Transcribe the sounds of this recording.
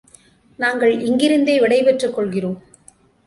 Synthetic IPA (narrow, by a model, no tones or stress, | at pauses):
naːŋɡɐɭɪŋɡɪɾɯnd̪eːʋɪɽɐɪpɛʈrɯkːɔɭɣɪroːm